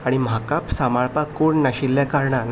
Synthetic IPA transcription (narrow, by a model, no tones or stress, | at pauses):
aɽ̃im̤akapsamaɭpakoɳnaɕilːjakaɾɳan